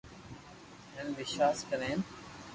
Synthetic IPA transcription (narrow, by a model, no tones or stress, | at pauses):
ɦenʋɪʃwaːskəɾẽːn